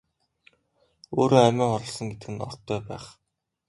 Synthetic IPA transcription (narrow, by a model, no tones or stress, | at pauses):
oːɾoːæmʲɪːɴχɔɾɞ̆ɮsɞ̆ŋɡet̪ɘɡɘ̆nɔ̰rt̪ʰːœːpæ̰ːχ